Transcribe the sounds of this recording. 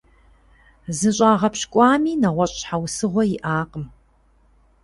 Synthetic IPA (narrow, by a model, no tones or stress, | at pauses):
zɨɕʼaːʁɐpɕkʷʼɑːmiːnɐʁʷɔɕʼħawsɨʁʷɔjɪʔaːqʼəm